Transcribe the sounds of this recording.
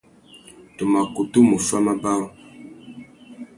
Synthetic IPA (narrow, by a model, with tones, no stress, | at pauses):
tə˨ma˨ku˨tu˦mu˨fa˦ma˦ba˦w